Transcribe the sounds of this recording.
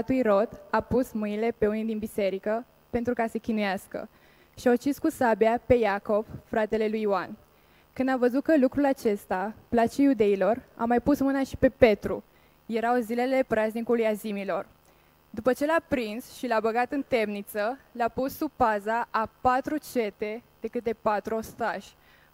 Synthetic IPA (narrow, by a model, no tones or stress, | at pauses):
at̪ujɾo̞d̪apusmɨnile̞pe̞unid̪inbise̞ɾikə | pe̞nt̪ɾukase̞kʲinujaskə̰ | ʃiawt͡ʃiskusabjape̞jako̞v̥fɾat̪e̞le̞lujwan | kɨnd̪avəzut̪̚kəlukɾulat͡ʃe̞st̪aplat͡ʃejud̪e̞ilo̞ra̰majpusmɨnaʃi̥pe̞pe̞t̪ɾṵ | je̞ɾawzile̞le̞pɾaznikulujazimilo̞r | d̪upət͡ʃe̞lapɾinsʃilabəɡat̪ɨnt̪e̞mnit̪səlapusːupazaʔapat̪ɾut͡ʃe̞t̪e̞d̪̥e̞kɨt̪e̞pat̪ɾuo̞st̪aʒ̥ʲ